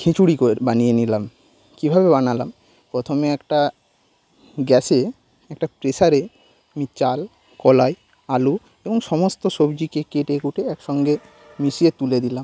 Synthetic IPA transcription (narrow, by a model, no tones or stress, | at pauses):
kʰit͡ɕuɽikobanijenilam | kibʱabebanalam | pɾot̪ʰomeɛkʈa | ɡɛse | ɛk̚ʈapɾeʃaɾe | mit͡ɕal | kɔlaj | alu | eboŋʃɔmost̪oʃobd͡ʑikekeʈekuʈeɛkʃɔŋɡe | miʃiet̪uled̪ilam